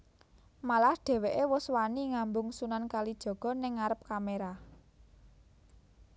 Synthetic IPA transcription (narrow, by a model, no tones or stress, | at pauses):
malahɖ̥ɛ̤weʔewʊswaniŋambʊŋsunankalid̥ʒ̥ɔ̤ɡ̥ɔ̤nɪŋːaɾəp̚kameɾa